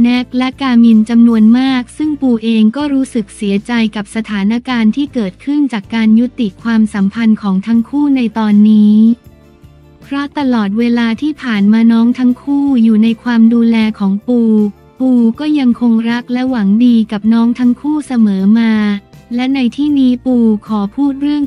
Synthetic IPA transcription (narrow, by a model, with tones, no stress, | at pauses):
nɛ˦˥k̚lɛ˦˥kaː˧mi˧nt͡ɕa˧mnu˧ənmaː˥˩k̚sɯ˥˩ŋpuː˧ʔeː˧ŋkɔː˥˩ɾuː˦˥sɯ˨˩k̚si˩˦ɐt͡ɕa˧jka˨˩p̚sa˧t̪ʰaː˩˦na˦˥kaː˧nt̪ʰiː˥˩kɤː˨˩t̪̚kʰɯ˥˩nt͡ɕaː˨˩kːaː˧nju˦˥t̪i˨˩kʰwaː˧msa˩˦mpʰa˧nkʰɔː˩˦ŋt̪ʰa˦˥ŋkʰuː˥˩na˧jt̪ɔː˧nːiː˦˥ | pʰɾɔ˦˥t̪a˧lɔː˨˩t̪̚weː˧laː˧t̪ʰiː˥˩pʰaː˨˩nmaː˧nɔː˦˥ŋt̪ʰa˦˥ŋkʰuː˥˩juː˨˩na˧jkʰwaː˧mduː˧lɛː˧kʰɔː˩˦ŋpuː˧ | puː˧kɔː˥˩ja˧ŋkʰo˧ŋɾa˦˥k̚lɛ˦˥wa˩˦ŋdiː˧ka˨˩p̚nɔː˦˥ŋt̪ʰa˦˥ŋkʰuː˥˩sa˧mɤː˩˦maː˧lɛ˦˥na˧jt̪ʰiː˥˩niː˦˥puː˧kʰɔː˩˦pʰuː˥˩t̪̚ɾɯ˥˩əŋ